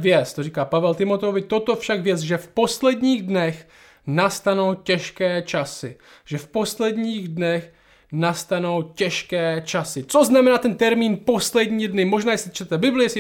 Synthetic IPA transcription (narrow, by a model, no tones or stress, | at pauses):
vjɛt͡s̪t̪oriːkaːpavɛlt̪ɪmo̞t̪ɛovɪt̪o̞t̪ofʃakvjɛt͡sʒɛfpo̞slɛdɲiːɣdnɛx | nast̪anowcɛʃkɛːt͡ʃasɪ | ʒ̥ɛfpo̞slɛdɲiːɣdnɛx | nast̪ano̞wcɛʃkɛːt͡ʃasɪt͡so̞znamɛnaːt̪ɛnt̪ɛɾmiːnpo̞slɛdɲiːdnɪmo̞ʒnaːjɛslɪt͡ʃt̪ɛt̪ɛbɪblɪjɛsɪ